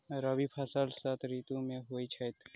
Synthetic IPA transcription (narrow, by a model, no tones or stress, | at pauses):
ɾəbipʰɐsaːlsat̪ʰɾiːt̪ũmẽɦoːit͡ʃʰat̪